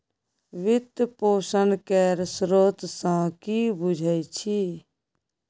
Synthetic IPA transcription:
ʋɪt̪poːsənkeɾsɾoːt̪sãkibud͡ʒʱəjt͡ʃʰi

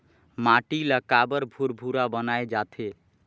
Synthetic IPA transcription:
maʈilakabəɾbʱuɾbʱuɾabənaed͡ʒat̪ʰe

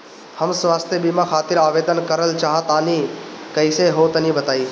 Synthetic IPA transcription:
həmsʋaːst̪ʰjəbimãkʰaːt̪ɪɾaːʋeːd̪ənkəɾəlt͡ʃaːɦət̪aːnikəɪseɦot̪ənĩbət̪aːiː

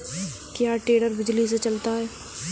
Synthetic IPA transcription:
kjaːʈeːɽəɾbɪd͡ʒlis̬et͡ʃɐlt̪aɦɛː

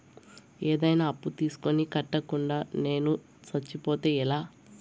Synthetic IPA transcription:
eːd̪ɐjnaːɐpːut̪iːsu̥ko̞nikɐʈːɐkuɳɖaːne̞ːnu | sɐt͡ʃːipoːt̪e̞ːilaː

